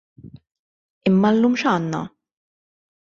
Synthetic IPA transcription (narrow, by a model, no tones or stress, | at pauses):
ɪmːɐlːuːmʃɐːnːɐ̰